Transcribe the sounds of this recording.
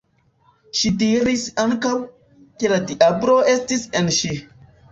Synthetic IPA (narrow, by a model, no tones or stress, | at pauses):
ʃitiɾisaŋkaw | ke̞ladiʔabɾo̞e̞stisenʃi